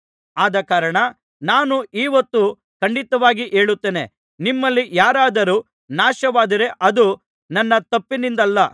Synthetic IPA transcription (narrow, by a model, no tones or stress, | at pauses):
aːd̪ɐkaːɾɐɳɐ | naːnuʔiːʋɐt̪ːu | kɐɳɖit̪ɐʋaːɡiʔe̞ːɭut̪ːeːne̞̰ | nimːɐlːijaːɾaːd̪ɐɾuː | naːʃɐʋaːd̪iɾe̞ʔɐd̪u | nɐnːɐt̪ɐpːinind̪ɐlːɐ